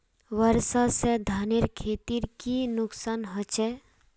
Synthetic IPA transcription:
ʋəɾsased̪ʱaːneɾkʰeːt̪iɾkinʊksaːnɦət͡ʃɛ

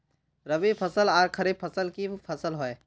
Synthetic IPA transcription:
ɾəbipʰəsəlaːɾkʰəɾib̚pʰəsəlkipʰəsəlɦoe

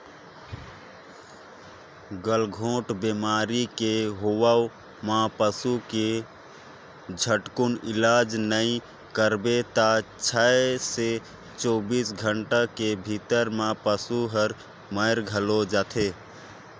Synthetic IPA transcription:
ɡəlɡʱõʈbemaɾikeɦowao | mãpəsuke | d͡ʒʱəʈkunilad͡ʒnəi | kəɾbet̪at͡ʃʰajese | t͡ʃɔbisɡʱəɳʈakebʱit̪əɾmãpəsuɦəɾ | məjɾɡʱəlod͡ʒat̪ʰe

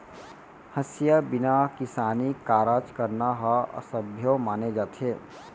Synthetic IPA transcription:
həsjəbɪnakɪsaːnikaːɾat͡ʃkəɾnaɦəə̰səbʱjomaːned͡ʒaːt̪ʰe

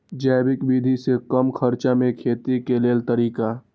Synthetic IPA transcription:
d͡ʒɛːbɪkbiːd̪ʱisekəmkʰəɾt͡ʃamẽkʰeːt̪ikeleːlt̪əɾiːka

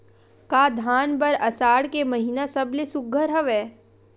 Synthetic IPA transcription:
kaːd̪ʱaːnbɐɾɐsaːɽkemɐɦinasəblesʊɡʱəɾɦɐʋɛː

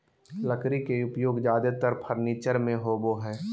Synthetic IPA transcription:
ləkɾikeʊpjoːɡd͡ʒjaːd̪et̪əɾpʰəɾniːt͡ʃəɾmẽɦoːboɦɛː

